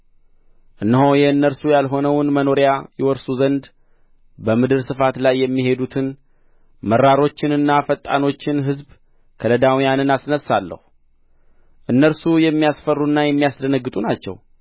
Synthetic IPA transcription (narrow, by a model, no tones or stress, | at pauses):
ʔɨnːɨɦojɛɨnːəɾsujalɦo̞nəwnməno̞ɾjajɛwɔɾsuzənd̪ | bəmɨd̪ɨɾsɨfat̪lajːɛmːiɦe̞d̪ut̪ʰɨn | məɾːaɾo̞t͡ʃːɪnɨnːafət̪ʼːa̰no̞t͡ʃːɪnɦɨzb | kʰələd̪awijanɨnasnəsːalːə̰hu | ʔɨnːəɾsujɛmːijasfərːunːajɛmːijasd̪ənəɡːɨt̪ʼunat͡ʃːɛ̰w